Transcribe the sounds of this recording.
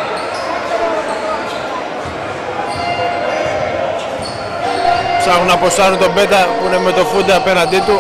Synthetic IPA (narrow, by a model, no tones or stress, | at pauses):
saɣunaposanunt̪obet̪ɐunemːet̪ofud̪eapenand̪it̪u